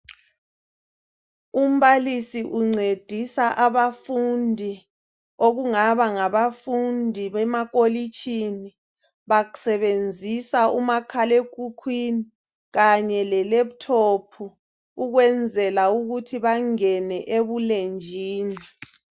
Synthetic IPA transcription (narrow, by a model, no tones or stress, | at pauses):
um̩βalisiʔuŋ͡ǀed̥ʱisaʔaβafundʱi | oɣuŋaβaŋaβafundʱiβɛmaɣolit͡ʃʼʰini | βaɣu̥sɛβend͡zʱisaumakʰalekʼukʰwini | ɣaɲɛlɛleβutʰopʰu | uɣwɛnd͡zʱɛlauɣutʰiβaŋɛnɛʔeβulend͡ʒʱiːni